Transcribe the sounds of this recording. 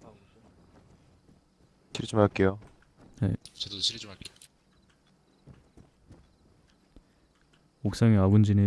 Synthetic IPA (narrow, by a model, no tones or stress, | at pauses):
ɕʰiɾt͡ɕ͈umɦaɭk͈ejonet͡ɕedoɕʰiɾt͡ɕumak͈e | ok̚s͈aŋeaɡund͡ʑine